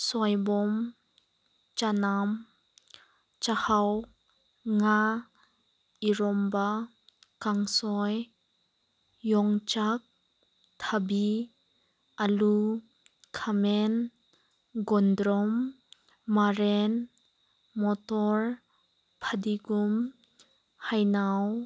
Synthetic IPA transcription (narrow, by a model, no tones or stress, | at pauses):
sɔjbɔm | t͡ʃanam | t͡ʃahaw | ŋa | ʔiɾɔmba | kaŋsɔj | jɔŋt͡ʃak̚ | t̪ʰabi | ʔalu | kʰamɛn | ɡɔndɾɔmː | aɾɛn | mɔt̪ɔɾ | pʰadiɡum | hajnaw